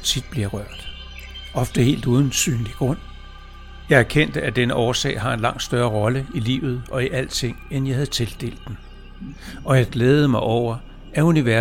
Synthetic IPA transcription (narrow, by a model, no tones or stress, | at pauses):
t͡sʰid̥̚b̥liɐʁɶɐ̰d̥ | ɒ̽fd̥əhe̝̰ːld̥uð̞ˠnn̩sy̰ːnliɡ̥ʁɔ̽n̰ | jɑ̈ɪæɐkʰen̰d̥əæd̥enəʔɒːsɛ̰ːɪɦɑ̈e̝nlɑ̈ŋ̰d̥sd̥ɶɐːʁɒ̽ləilḭːʊð̞̩ˠʔɒ̽iʔæl̰̥t͡sʰe̝ŋ̰enjɑ̈hæð̩ˠt͡sʰe̝ld̥e̝̰ːld̥ːen | ɒ̽jɑ̈ɪɡ̥leːð̩ˠəmɑ̈ɪʔɒʊ̰ɐ | æuniʋæɐ